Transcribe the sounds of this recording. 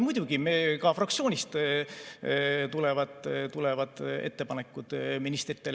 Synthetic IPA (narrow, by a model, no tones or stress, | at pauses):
mujd̪̥ʲuɡ̥imekɑfrɑk̚t̪sio̞ːnʲist̪ | t̪ulevɑd̪ˑt̪ulevɑd̪̥e̞̰t̪ːe̞pɑne̞kːˑud̪̥minist̪rit̪ːˑel